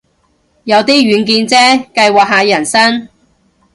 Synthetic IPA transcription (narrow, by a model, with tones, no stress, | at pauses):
jɐ˨˧wt̪iː˥ɥyː˨˧nkiː˧nt͡sɛː˥kɐ˧jwaː˨k̚ɦaː˨˧jɐ˨˩nsɐ˥n